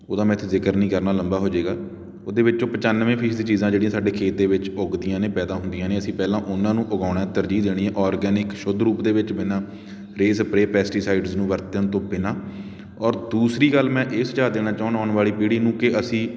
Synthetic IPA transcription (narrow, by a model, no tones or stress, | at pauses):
oːd̪aːmɛ̃ːɪt̪ʰːeːzɪkəɾnĩːkəɾnaːləmbaːɦoːd͡ʒeːɡaː | oːd̪eːʋɪt͡ʃːõːpət͡ʃanʋẽːpʰiːsd̪ĩːt͡ʃiːzãːd͡ʒeːɽĩjãːsaːɖeːkʰeːt̪ːeːʋɪt͡ʃoɡd̪ijãːneːpɛːd̪aːɦʊnd̪ijãːneːəsĩːpɛːlãːʔʊnãːnũːʔʊɡaːɽãːt̪əɾd͡ʒiːd̪eːɽ̃iːɛ̃ːʔɔːɾɡɛːnɪkʃʊd̪ʱɾuːpd̪eːʋɪt͡ʃbɪnãː | ɾeːspɾeːpɛːsʈiːsaːɪɖznũːʋəɾt̪ənt̪õːbɪnãː | ɔːɾd̪uːsɾiːɡəlmɛ̃ːʔɪsd͡ʒaːd̪eːɽ̃aːt͡ʃaːʊnaːʊɳʋaːɭiːpiːɽiːnũːkɪəsĩː